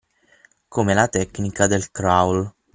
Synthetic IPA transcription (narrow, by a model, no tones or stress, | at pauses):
komelat̪ɛkːnikad̪elkɾawl